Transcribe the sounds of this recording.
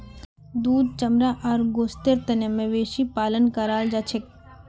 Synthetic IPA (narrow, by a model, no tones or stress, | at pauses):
d̪uːd̪̚t͡ʃɐmɾaʔaɾɡoːst̪eɾt̪ɐnemẽʋeːʃipaːlənkaɾaːld͡ʒat͡ʃʰek